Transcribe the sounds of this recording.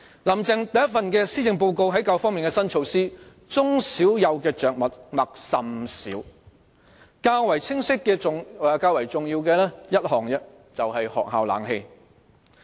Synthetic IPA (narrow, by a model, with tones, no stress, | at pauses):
lɐ˨˩mt͡sɛ˨˧ŋt̪ɐ˨jɐ˥t̚fɐ˨nkɛː˧siː˥t͡sɪ˨˧ŋp̬o˧wko˧wɦɐ˨˥jka˧wfɔː˥ŋmi˨nkɛː˧sɐ˥nt͡ʃʰo˧wsiː˥ | t͡sʊ˥ŋsiː˨˥wjɐ˨˧wkɛː˧t͡ʃœː˨k̚mɐ˨˩t̚mɐ˨k̚sɐ˨msḭː˨˥w | kaː˧wɐ˨˩jt͡sʰɪ˥ŋsɪ˥kːɛː˧ʊ˨˧kaː˧wɐ˨˩jt͡sʊ˨ŋjiː˧wkɛː˧lɛː˥jɐ˥t̚hɔː˨ŋjɐ˧ | t͡sɐ˨whɐ˨jhɔ̰ː˨k̚ɦaː˨wla̰ː˨˥ŋhe˧j